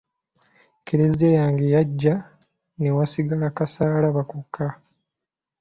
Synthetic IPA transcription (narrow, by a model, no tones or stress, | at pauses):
kiɾezidejaːŋɡejaɟːa | newasiɡalakasaːlaβakukʰːa